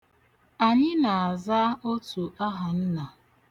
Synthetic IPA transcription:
a˨ɲɪ˦na˨a˨za˦o˦tu˨ʔa˦ɦa˨n̩˦na˨

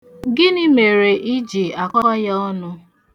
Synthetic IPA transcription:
ɡɪ˦ni˦me˨ɾe˨ʔi˦d͡ʒi˨a˨kɔ˦ɔ˦ja˦ɔ˦nʊ˦

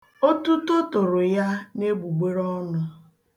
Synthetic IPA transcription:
o˦tu˦tʊ˦tʊ˨ɾʊ˨ja˦ne˦ɡ͡bu˨ɡ͡be˦ɾɔ˦nʊ˨

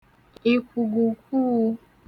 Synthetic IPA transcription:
i˨ku˨ɡu˨ku˦

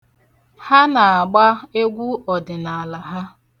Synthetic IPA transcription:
ha˦na˨a˨ɡ͡ba˦e˦ɡʷu˦ɔ˨dɪ˨na˨a˨la˨ɦa˦

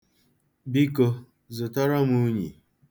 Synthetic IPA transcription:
bi˦ko˦ | zʊ˨tɔ˦ɾɔ˦mu˦ɲḭ˨

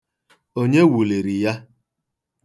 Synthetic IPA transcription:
o˦ɲe˦wu˨li˨ɾi˨ja˦

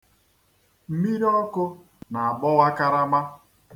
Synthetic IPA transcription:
m̩˦mi˦ɾi˦ɔ˦kʊ˦ | na˨a˨bɔ˦wa˦ka˦ɾa˦ma˦

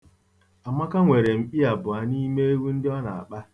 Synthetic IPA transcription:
a˨mʷa˦ka˦ŋʷe˨ɾe˨m̩˨k͡pi˦a˨bʊ˨a˨ni˦me˦e˦wu˦n̩˦dɪ˦ɔ˦na̰˨a̰˨k͡pa˦

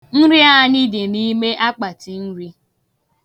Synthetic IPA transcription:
n̩˦ɾɪ˦a˦a˦ni˦dɪ˨ni˦me˦ʔa˦k͡pa˨ti˨n̩˦ɾi˦

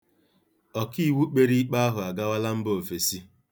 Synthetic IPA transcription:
ɔ˨ki˦˨wu˦k͡pe˦ɾi˦k͡pa˦a˦ɦʊ˨a˨ɡa˦wa˦la˦m̩˦bo˦˨o˨fe˨si˦

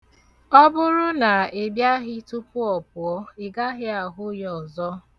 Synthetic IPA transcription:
ɔ˦bʊ˦ɾʊ˦na˨e˨bja˦ɦɪ˦tʊ˦pʊ˦ɔ˨p̚ʊ˨ɔ˦ɪ˨ɡa˦ɦɪ˦a˨ɦʊ˦jɔ˨zɔ˦

